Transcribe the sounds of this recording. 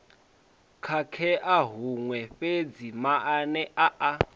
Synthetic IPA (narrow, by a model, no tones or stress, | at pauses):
kʰakʰɛʔaɦuŋwɛɸed͡zimaʔanɛʔaʔa